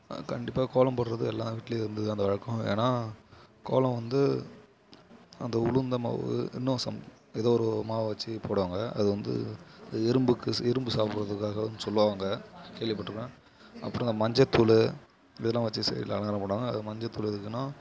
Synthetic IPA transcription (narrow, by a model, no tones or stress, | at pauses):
kɐɳɖɪpːaːkoːlɐ̃mpɐɽɯɾɐðɯɛlːaːʋiːʈːɪleɪɾɯnd̪ɯɯɐnd̪ɐʋɐɻɐkːɔ̃ḛːnaːko̰ːlɐ̃mʋɐnd̪ɯ | ɐnd̪ɐʊlɯnd̪ɐma̰ːʋɯ̰ɪ̰nːɯsɐm | ɛðoːɔɾɯmaːʋɐʋɐt͡ʃːɯpoːɽɯʋaːŋɡɐɐðɯʋɐnd̪ɯ̰ðɪɾɯmbɯkːɯɪɾɯmbɯsaːpɾɐðɯkːaːɣɐɐnːɯsɔlːɯʋaːŋɡɐkeːɭʋɪpːɐʈːɾɯkːẽː | ɐ̰pːɯɾɔ̃ɪnd̪ɐmɐɲd͡ʒɐt̪ːul | ɪðɐlːãːʋɐt͡ʃːɯsɛ̰lɐlɐŋɡɐɾɐ̃pɐːɽʋaːŋɡɐːðɯmɐɲd͡ʒɐt̪ːʊːɭɛðɯkːɯnãː